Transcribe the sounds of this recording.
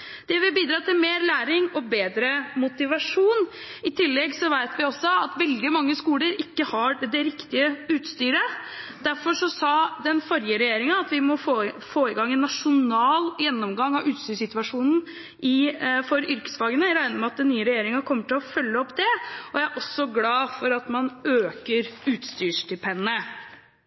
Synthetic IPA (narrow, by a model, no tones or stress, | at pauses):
d̪̥ɛʋɪbiːd̪ɾɑːt̪ʰɪlmeːɾlæːɾɪŋɔbeːd̪ɾəmʊt̪ɪʋɑʂuːn | ɪt̪ʰɪlːɛɡsɔʋæɪt̪ʋɪɔsːɔɑt̪ʋɛld̪ɪmɑŋːəskuːləɾɪkːəhɑd̪ɛɾɪkt̪ɪəʉːt̪st̪yːɾəd̪̥æɾfɔʂɔsɑːd̪ɛnfɔɾjəɾɛjeːɾɪŋɑɑt̪ʋɪmɔofoːɪɡɑŋːɛnːɑʂʊnɑːljɛnːɔmɡɑŋːɑʔʉːt̪st̪yːʂsɪt̪ʋɑʂuːnn̩ | ʔɪfɔɾʏɾkə̥sfɑːɡənəɾæɪnəɾmɛɑt̪̚d̪ɛnːyːəɾɛjeːɾɪŋɑkʰɔmːəʈɪlɔfœlːəɔpːd̪ɛɔjææɾʔɔsːɔɡlɑːfɔɾɑt̪mɑnøːkəɾʉːt̪st̪yːʂd̪ɪpʰɛnːə